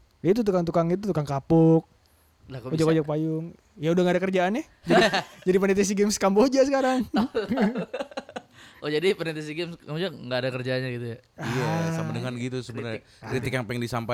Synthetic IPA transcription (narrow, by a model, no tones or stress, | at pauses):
jait̪̬ut̪̬ukaŋt̪̬ukaŋit̪ut̪ukaŋkapʊk̚ | laod͡ʒakod͡ʒak̚pajʊŋ | jaudaŋɡadakərd͡ʒaːna | d͡ʒadd͡ʒadipənɛt̪es̬iɡɛmskambod͡ʒasəkaɾaŋ | ɔd͡ʒadipənɛt̪ɛsiɡɛmsambod͡ʒaŋɡaːdakərd͡ʒaɲaɡit̪uja | ijasamadəŋanɡit̪usəbənar | kɾit̪ɪkjaŋpaŋdisampa